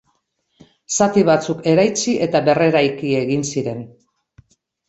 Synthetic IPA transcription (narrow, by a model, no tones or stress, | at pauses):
sat̪iβat͡suke̞ɾajt͡siʔe̞t̪aβe̞re̞ɾajkie̞ɣinsiɾe̞n